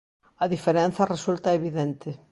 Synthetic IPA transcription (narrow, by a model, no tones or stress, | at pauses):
ɐðifeɾenθɐresult̪ɐeβiðent̪ɪ